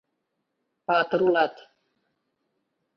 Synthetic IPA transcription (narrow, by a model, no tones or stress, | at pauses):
paːt̪əɾulat̪